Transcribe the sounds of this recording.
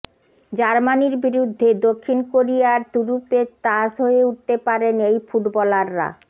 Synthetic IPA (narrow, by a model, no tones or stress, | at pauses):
d͡ʑaɾmaniɾbiɾud̪ʱːed̪okʰːinkoɾijaɾt̪uɾupet̪aʃɦoeuʈ̚t̪epaɾenejfuʈbɔlaɾːa̰